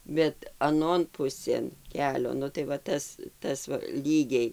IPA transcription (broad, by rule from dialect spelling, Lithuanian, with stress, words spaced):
bʲɛt ɐˈnoːn ˈpʊsʲeːn ˈkʲæːlʲoː ˈnʊ tɐɪ ʋɐ ˈtɐs ˈtɐs ʋɐ ˈlʲiːɡʲɛɪ